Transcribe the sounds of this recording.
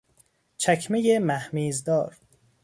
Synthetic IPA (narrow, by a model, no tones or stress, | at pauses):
t͡ʃʰækʰmejemæhmiːzd̪ɒːɾ